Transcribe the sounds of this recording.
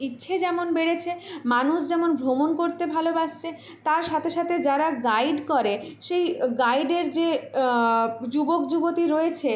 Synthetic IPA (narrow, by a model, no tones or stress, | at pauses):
itːɕʰed͡ʑɛmonbeɽet͡ɕʰemanuʃd͡ʑɛmonbʱɾomonkoɾt̪ebʱalobaʃt͡ɕʰe | t̪aɾʃat̪ʰeʃat̪ʰed͡ʑaɾaɡajɖkɔɾeʃejɡajɖeɾd͡ʑe | d͡ʑubokd͡ʑubot̪iɾoet͡ɕʰe